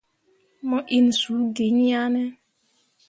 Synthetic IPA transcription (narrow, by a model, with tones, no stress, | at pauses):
mɔ̃˦ʔi˦n̩˨su˨˦ɡe˨˦ɲi˦a˦nɛ˦